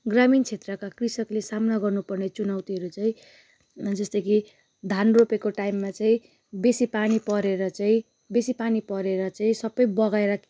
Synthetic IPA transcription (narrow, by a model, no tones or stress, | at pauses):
ɡramint͡sʰet̪rʌkakrisʌklesamnaɡʌrnupʌrnet͡sunawt̪iɦʌɾut͡saĩ | d͡zʌst̪ʌki | d̪ʱanropekoʈajmːat͡saĩ | besipanipʌɾeɾʌt͡saĩ | besipanipʌɾeɾʌt͡saĩsʌbʌjbʌɡaeɾʌk